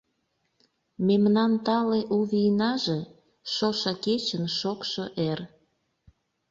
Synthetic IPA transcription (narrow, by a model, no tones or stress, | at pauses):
memnɑnt̪ɑleʔuβijnɑʒe | ʃoʃɑket͡ɕənʃokʃoʔer